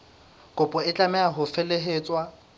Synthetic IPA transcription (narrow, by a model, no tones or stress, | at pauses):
kʼʊpʼʊɪt͡ɬʼamɛaɦʊfeleɦeːt͡sʼwa